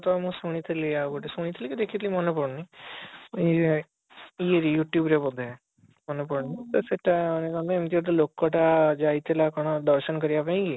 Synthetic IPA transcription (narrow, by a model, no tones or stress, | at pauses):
t̪ɔamũsuɽ̃it̪ʰiliakɔʈisuɽ̃it̪ʰilikid̪ekʰit̪ilimɔnepɔɽni | ieɾijuʈjubɾepɔd̪ʱːe | mɔnepɔɽnit̪ɔseʈanekɔ̃nd̪aemt̪iɔʈ̬alokːɔʈad͡ʒajt̪ʰilakɔɽ̃ɔɖɔɾsɔnkɔɾijapaĩɡi